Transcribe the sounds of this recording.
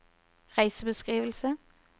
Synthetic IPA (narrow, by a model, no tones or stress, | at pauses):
ʁæɪsəbəskʁiːʋəlsə